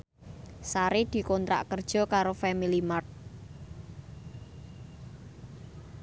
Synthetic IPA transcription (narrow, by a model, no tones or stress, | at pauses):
saɾid̪̥i̤kɔnt̪ɾa̰ʔkərd̥ʒ̥ɔ̤kaɾofɛmilimart̪̚